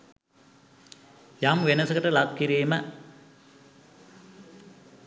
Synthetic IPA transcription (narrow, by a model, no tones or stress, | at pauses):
jamʋenɐsɐkəʈəlakkːiɾiːmə